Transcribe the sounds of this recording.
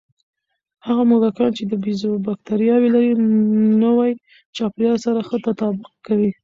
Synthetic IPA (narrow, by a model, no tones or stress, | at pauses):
haɣamolakɑnt͡ʃed̪əbizobak̚t̪aɾijɑwelaɾinəwaj | t͡ʃɑpljɑsaɾaxət̪at̪ɑbʊq̚kawi